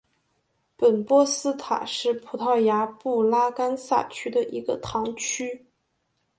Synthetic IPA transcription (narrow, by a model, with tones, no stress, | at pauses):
pə˨˩npwɔ˥sɹ̩˥t̪ʰa̰˨˩ʂɻ̩˥˩pʰu˧˥t̪ʰɑ˥˩ʊja˧˥pu˥˩la˥ka˥nsa̰˥˩t͡ɕʰy˥d̪ə˨ʔi˧˥ɡə˧t̪ʰɑ˧˥ŋt͡ɕʰy˥